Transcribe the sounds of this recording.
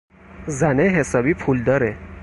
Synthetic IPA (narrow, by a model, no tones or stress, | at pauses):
zæneɦesɒːbipʰuld̪ɒːɾe